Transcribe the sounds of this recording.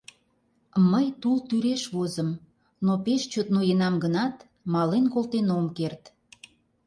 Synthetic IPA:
məjt̪ult̪yɾeʃβozəm | nopeʃt͡ɕot̪nojenɑmɡənɑt̪ | mɑlenkolt̪enomkert̪

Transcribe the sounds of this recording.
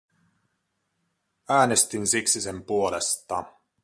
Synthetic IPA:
æːne̞st̪insiksise̞mpuo̞lest̪ɑ̰

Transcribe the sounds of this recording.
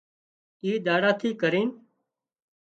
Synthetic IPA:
iːɗ̪aːɽaːt̪ʰiːkəɾiːn

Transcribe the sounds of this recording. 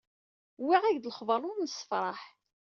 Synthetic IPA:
wiʁæʝd̪ələχvɑɾˤʊɾˤnəsːə̥fɾˤɑħ

